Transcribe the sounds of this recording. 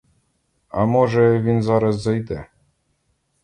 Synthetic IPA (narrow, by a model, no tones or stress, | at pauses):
amɔʒɛvʲinzaɾəzzajd̪ɛ